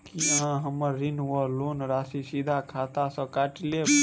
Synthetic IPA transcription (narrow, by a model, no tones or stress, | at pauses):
kiãɦəməːinʋɔloːnɾaːsisid̪ʱakʰaːt̪asə̃kaʈle